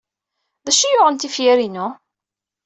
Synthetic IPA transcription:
ðæʃijʊʁənt̪ifjæɾinu

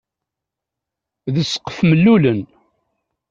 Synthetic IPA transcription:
ðəsːə̥qːəfməlːulən

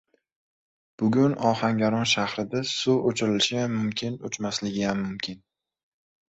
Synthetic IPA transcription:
b̥ʊɡʲʊnɒhaŋɡʲaɾɒnʃahɾɪd̪asʊot͡ʃʰɪɾɪlɪʃɪjamːʊmkʲʰɪnʊt͡ʃmaslɪɡʲɪjamːʊmkʲʰɪn

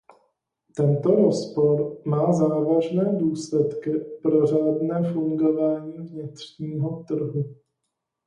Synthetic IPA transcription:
t̪ɛnt̪oɾospoɾmaːzaːvaʒnɛːduːslɛt̪kɪpɾor̝aːdnɛːfuŋɡovaːɲiːvɲɪt̪r̥ɲiːɦot̪r̩ɦu

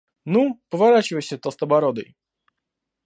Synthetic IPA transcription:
nupɔvaɾat͡ɕiwɛɕɛt̪ɔst̪ɔbaɾɔd̪ɛ̰j

